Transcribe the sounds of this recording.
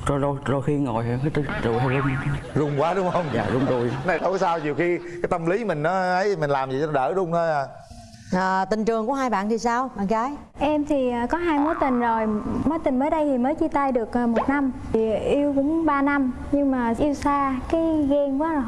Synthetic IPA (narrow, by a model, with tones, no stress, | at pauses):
t͡ɕɔ˧zo˧zo˧˩jxi˧əŋo̰˨˩jt̪ɨ˧˨˩zṵ˧˨˩ho˧˩zʊ˧ŋ͡mzʊ˨˩wŋ͡mkwaː˨˦ɗʊ˨˦˥ŋ͡mhə˧wŋ͡mza̰ː˨˩zʊ˨˧wŋ͡mtu˧˩jna˨˧jkɔ˧˦kɔ˨˦saː˧wɲi˨˩əwxi˧kaː˨˦jt̪ə˧mli˨˦mï˨˩ŋ̟nɔ˨˦ʔə˨˦jmi˨˩ŋlaː˨˩mzi˨˩t͡ɕɔ˧nɔ˨˦ɗəː˧˩zʊ˧ŋ͡mhəː˧ʔaː˨˩ | ʔaː˨˩t̪ï˨˩ŋ̟t͡ɕɨ˨˩əŋku˧˥əɦaː˧jɓa̰ː˧˨nt̪ʰi˨˩saː˧wɓa̰ː˧˨nkaː˨˦j | ʔɛ˧mt̪ʰi˨˩ʔaː˨˩kɔ˨˦ɦaː˧jmu˨˦jt̪ï˨˩ŋ̟zo˨˩jmɔ˨˦jt̪ï˨˩ŋ̟məː˨˦jɗə˧jt̪ʰi˨˩məː˨˦jt͡ɕi˧t̪aː˧jɗɨ˨˩ək̚ʔːmo˨˩t̚na˧mt̪ʰi˨˩˨ʔi˧əwkʊ̰˧˥ŋ͡mɓaː˧na˧m | ɲɨ˧ŋmaː˨˩ʔi˧əwsaː˧kaː˨˦jɣɛ˧ŋkwaː˨˦˨